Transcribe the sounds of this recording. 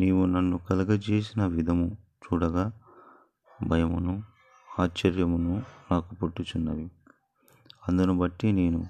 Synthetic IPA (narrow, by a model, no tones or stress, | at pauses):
neːmunɐnːukɐlɐɡɐt͡ʃe̞ːsinɐʋid̪ʱɐmut͡ʃuːɽɐɡaː | bʱɐjɐmunu | aːt͡ʃːɐɾjɐmununaːkupoʈːut͡ʃunːɐʋi | ɐnd̪unubɐʈːine̞ːnu